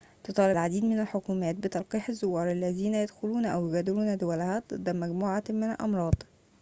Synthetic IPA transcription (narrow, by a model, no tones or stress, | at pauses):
t̪ot̪ˤɑːlɪlʕad̪iːd̪mɪnælħokuːmæːt̪̚bɪt̪ɑlqiːħazːʊwːɑːɾˤalːæziːnæjæd̪xʊluːnʔæwjʊɡæd̪ɪɾuːnæd̪ʊwælhæd̪ˤɨd̪ːæmæɡmuːʕamɪnælʔɑ̰mɾˤɑːd̪̥ˤ